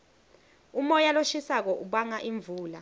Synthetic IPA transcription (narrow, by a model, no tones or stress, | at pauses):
umɔjaloʃisak̬ɔʔuɓaŋaʔiɱvuːla